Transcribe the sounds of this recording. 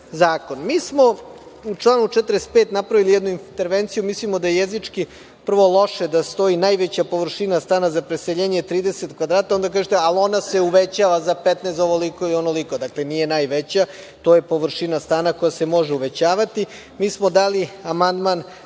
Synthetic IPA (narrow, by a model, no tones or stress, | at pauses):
zaːko̞nmiːsmo̞ | ut͡ʂlˠaːnut͡ʃɛt̪ɾespeːt̪napɾaʋilijɛd̪nuint̪e̞ɾʋent̪sijumislimod̪ajejezit͡ʂki | pr̩ʋo̞lˠo̞ʃed̪ast̪o̞inaːjʋet͡ɕapo̞ʋr̩ʃinast̪aːnazapɾeseʎeːɲet̪ɾiːd̪eset̪kʋad̪ɾaːt̪ao̞nd̪ak̬aːʒet̪ealo̞nase̞uʋet͡ɕaːʋazapet̪nest̪oʋolikoilionoliko̞d̪akle̞nije̞naːjʋet͡ɕa | t̪o̞je̞po̞ʋr̩ʃinast̪aːnako̞jasemo̞ʒeuʋe̞t͡ɕaːʋat̪i | miːsmo̞d̪aːliamand̪man